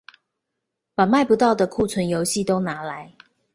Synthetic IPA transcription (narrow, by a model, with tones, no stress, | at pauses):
pa˨˩ma˥˨ɪpu˨˦t̪ɑ˥˩ʊd̪ə˨kʰu˥˨t͡sʰwə˨˦njo˨˧˦ʊɕi˥˨t̪o˥ʊna˨˥la˨˦ɪ